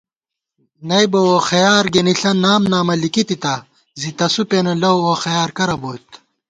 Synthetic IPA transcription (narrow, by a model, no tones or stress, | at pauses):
nɐjbowoxɐjaːɾɡeniɬɐnaːmnaːmɐlikit̪it̪a | zit̪ɐsupenɐlɐwoxɐjaːɾkɐɾɐboːt̪